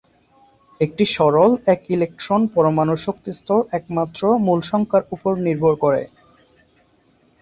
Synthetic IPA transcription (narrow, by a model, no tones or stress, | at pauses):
ek̚ʈiʃɔɾolɛkilek̚ʈɾonpɔɾomanoʃokt̪ist̪ʰoʔɛk̚mat̪ːɾomulʃɔŋkaɾupoɾniɾbʱoɾkoɾḛ